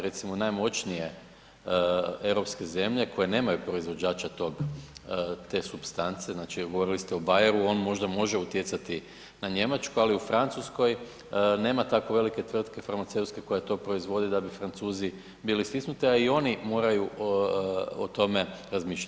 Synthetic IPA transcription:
ɾet̪simonajmo̞t͡ʃnije̞ | e̞ʋɾopske̞ze̞mʎe̞ko̞je̞ne̞ːmajupɾo̞izʋo̞d͡ʑaːt͡ʃat̪o̞ɡ | t̪e̞supst̪ant̪se̞znat͡ʃiɡoʋo̞ɾilist̪eobajeɾuo̞nmo̞ʒd̪amo̞ʒeut̪je̞t̪sat̪i | naɲe̞mat͡ʃkualiufɾant̪susko̞j | ne̞ːmat̪ako̞ʋe̞like̞t̪ʋr̩t̪ke̞faɾmat̪se̞wt̪ske̞ko̞jet̪o̞ːpɾo̞izʋo̞d̪ed̪abifɾant̪suːzi | bilist̪isnut̪iaio̞nimo̞ːɾaju | ot̪o̞me̞ɾazmiːʃla

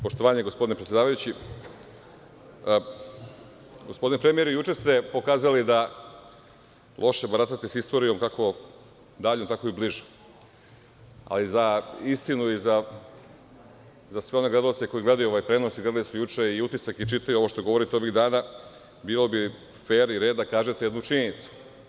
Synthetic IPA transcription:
poʃt̪o̞ʋaːɲeɡospo̞d̪inpɾet̪sʲjeaːʋajut͡ɕi | ɡospo̞d̪inepɾemijeɾujut͡ʃest̪e̞po̞kaːzalid̪a | lʔo̞ʃebaɾat̪at̪isist̪o̞ɾijo̞mkako̞ | d̪aːʎomt̪ako̞ibliʒe | a̰lizaist̪inuiza | zasʋeo̞ne̞ɡle̞d̪aot̪seko̞jiɡle̞d̪ajuo̞ʋajpɾe̞nosiɡle̞d̪alesujut͡ʃeiut̪isakit͡ʃit̪ajuo̞ʋoʃt̪oɡo̞ʋo̞ɾit̪eo̞ʋiɣd̪aːna | biːlo̞bi | feːɾiɾeːd̪d̪akaːʒe̞t̪ejed̪nut͡ʃiɲenit̪su̥

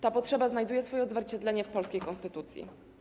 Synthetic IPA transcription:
t̪apɔtʂɛbaznajd̪ujɛsfɔjɛɔd̪zvʲɛɾt͡ɕɛd̪lɛɲɛfpɔlskʲejkɔnst̪ɘt̪ut̪sʲjḭ

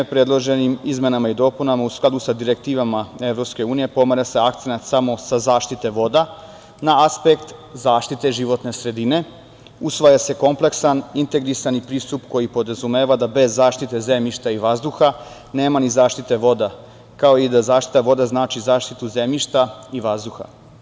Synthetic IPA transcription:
pɾe̞d̪lˠoʒe̞nimizme̞namaid̪o̞ːpunamausklˠad̪usad̪iɾe̞k̚t̪iːʋamae̞ʋɾo̞pske̞uːnije̞po̞maɾase̞ak̚t̪se̞nat̪samo̞sazaːʃt̪it̪e̞ʋo̞d̪a | naaspekt̪zaːʃt̪it̪e̞ʒiʋo̞t̪ne̞sɾe̞d̪ine̞ | usʋajase̞ko̞mple̞ksanint̪e̞ɡɾisanipɾiːst̪upko̞jipo̞d̪ɾazumeːʋad̪abe̞zːaːʃt̪it̪e̞ze̞mʎiʃt̪aiʋazd̪uxa | ne̞ːmanizaːʃt̪it̪e̞ʋo̞d̪a | kao̞id̪azaːʃt̪i̥t̪aʋo̞d̪aznaːt͡ʃizaːʃt̪it̪uze̞mʎiʃt̪aiʋazd̪uxa̰

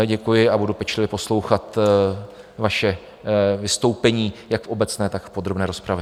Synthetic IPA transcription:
ɟɛkujɪabudupɛt͡ʃlɪvɪpo̞slo̞wxat̪ | vaʃɛ | vɪst̪o̞wpɛɲiːjakfʔobɛt͡snɛːt̪akfpo̞d̪ɾo̞bnɛːɾo̞spɾavɪ

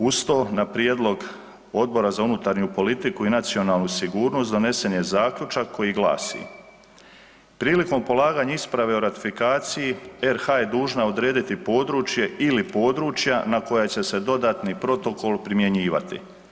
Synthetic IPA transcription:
ust̪o̞ːnapɾijeːd̪lˠo̞ɡ | o̞d̪̚bo̞ɾazaunut̪aɾɲupo̞lit̪ikuinat̪sio̞naːlˠnusiɡuːɾno̞st̪d̪o̞ne̞se̞nje̞zaːkʎut͡ʃakːo̞jiɡlˠa̰ːsḭ | pɾiːliko̞mpo̞lˠaːɡaːɲaispɾaʋe̞oɾat̪i̥fikaːt̪sijieɾxaje̞d̪uːʒnao̞d̪ɾe̞ːd̪it̪ipo̞ːd̪ɾuːt͡ʃje̞ilipo̞ːd̪ɾuːt͡ʃjanako̞jat͡ɕe̞se̞d̪o̞d̪aːt̪nipɾo̞t̪o̞ko̞lˠpɾimje̞ɲiːʋa̰t̪ḭ

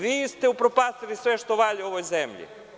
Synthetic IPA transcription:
ʋiːst̪eupɾopast̪ilisʋeʃt̪oʋaʎioʋojzemʎḭ

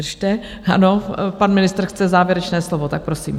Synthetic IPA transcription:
ʃt̪ɛ | a̰no̞panmɪnɪst̪rxt͡sɛzaːvjɛɾɛt͡ʃnɛːslovot̪ak̚pɾosḭːm

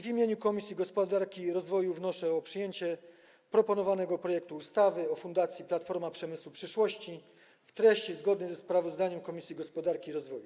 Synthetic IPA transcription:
vʲimʲjeɲukɔmʲisʲjiɡɔspɔd̪aɾkʲiɾɔzvɔjuvnɔʂɛɔpʂɘjeɲt͡ɕɛ | pɾɔpɔnɔvanɛɡɔpɾɔjɛkt̪uːst̪avɘɔfund̪at̪sʲjiplat̪fɔɾmapʂɛmɘswupʂɘʂwɔɕt͡ɕi | ft̪ɾɛɕt͡ɕizɡɔd̪nɛzɛspɾavɔzd̪aɲɛmkɔmʲisʲjiɡɔspɔd̪aɾkʲiɾɔzvɔju

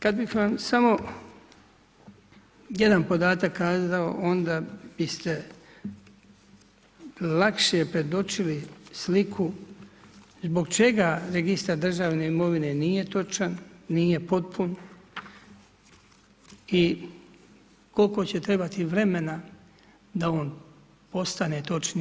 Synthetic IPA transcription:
kad̪̚bixʋamsamo̞ | jed̪anpo̞d̪aːt̪akːaːzao̰ʔo̞nd̪ab̥ist̪e̞ | lakʃeepɾe̞d̪o̞t͡ʃilislikʰu | zbo̞ɡt͡ʃe̞ɡaɾe̞ɡist̪aɾd̪r̩ʒaʋneimo̞ʋine̞nije̞t̪o̞t͡ʃanːije̞po̞t̪̚pʰun | i | ko̞lko̞t͡ɕe̞t̪ɾe̞bat̪iʋɾe̞me̞na | d̪aoːn | po̞st̪ane̞t̪o̞t͡ʃni

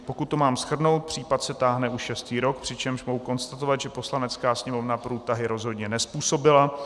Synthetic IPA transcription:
po̞kut̪ːo̞maːmsxr̩no̞wt̪̚pr̝̥iːpat̪sɛt̪aːɦnɛʔuʃʃɛst̪iːɾo̞k̚pr̝̥ɪt͡ʃɛmʃmoɦuko̞nst̪at̪ovat̪ʒɛpo̞slanɛt͡skaːsɲɛmo̞vnapɾuːt̪aɦɪɾo̞zɦo̞d̪ɲɛnɛspuːso̞bɪla

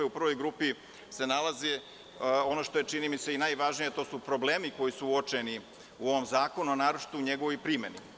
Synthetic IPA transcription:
eupr̩ʋo̞jɡɾuːpi | se̞nalˠazi | o̞noʃt̪o̞jet͡ʃinimiseinajʋaʒnijet̪o̞ːsupɾo̞bleːmiko̞jisuuot͡ʃeni | uo̞ʋo̞mzaːko̞nuonaːɾot͡ʃi̥t̪uɲeɡo̞ʋo̞jpɾime̞ni

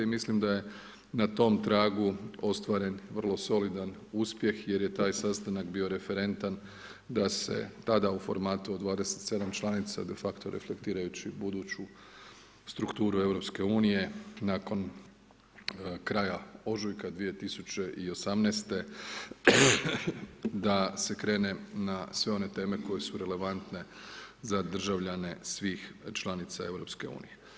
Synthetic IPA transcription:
imislimd̪aje̞ | nat̪o̞mt̪ɾaːɡuo̞st̪ʋaɾe̞nʋr̩lˠo̞so̞lid̪anuːspje̞xje̞ɾje̞t̪aːjsast̪anakbiːo̞ɾe̞fe̞ɾe̞nt̪an | d̪ase̞̰t̪ad̪aufo̞̰ɾmaːt̪uod̪ʋaːd̪ese̥t̪se̞d̪amt͡ʃlˠanit̪sa̰d̪e̞fakt̪o̞ɾʔefle̞̰kt̪iːɾajut͡ɕibud̪uːt͡ɕu | st̪ɾukt̪uːɾue̞ʋɾo̞pske̞uːnije̞naːko̞n | kɾaːjao̞ʒujkad̪ʋije̞t̪isut͡ɕe̞ʔio̞samneːst̪e̞ | d̪ase̞kɾe̞ːne̞nasʋe̞o̞ne̞t̪e̞ːme̞ko̞je̞suɾe̞le̞ʋant̪ne̞ | zad̪r̩ʒaʋʎane̞sʋiːxt͡ʃlˠanit̪sa̰e̞ʋɾo̞pske̞ṵːnije̞

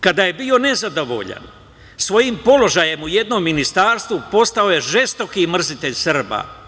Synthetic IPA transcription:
kad̪aːje̞bio̞ne̞zad̪o̞ʋo̞̰ʎa̰n | sʋo̞jimpo̞lo̞ʒaje̞muje̞d̪no̞mːinist̪aːɾst̪ʋupo̞st̪ao̞je̞ʒe̞st̪o̞kimr̩zit̪e̞ʎsrba̰

